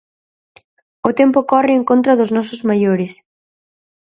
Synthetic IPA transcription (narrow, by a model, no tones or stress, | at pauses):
ʊt̪empʊkɔrɪeŋkont̪ɾɐðʊznɔsʊzmajoɾɪs